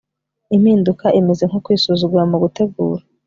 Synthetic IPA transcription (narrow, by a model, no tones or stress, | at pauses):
im̥hiːndukaʔimeze̞ŋ̥hokwiːsuzuɡuɾamuɡute̞ɡuːɾa